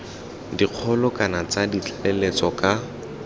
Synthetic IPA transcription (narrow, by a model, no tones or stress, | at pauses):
diq͡χʰɔlʊkʼanat͡sadit͡ɬʰʼlelet͡sɔka